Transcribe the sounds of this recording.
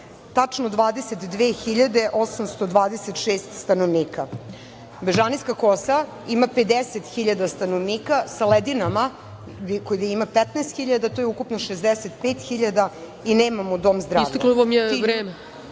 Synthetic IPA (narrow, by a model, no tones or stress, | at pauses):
t̪at͡ʂnod̪ʋaːd̪eset̪d̪ʋeːxiʎad̪eʔo̞samst̪o̞d̪ʋaːd̪eset̪ʃeːst̪st̪anoʋniːka | beʒaniskakosa | imaped̪eset̪xiʎad̪ast̪anoʋniːkasaled̪inama | kojieimapɛt̪nɛst̪xiʎad̪at̪ojeukupnoʃezd̪eset̪peːt̪xiʎad̪a | ineːmamod̪o̞mzd̪ɾasːvekloʋamjeʋɾeːme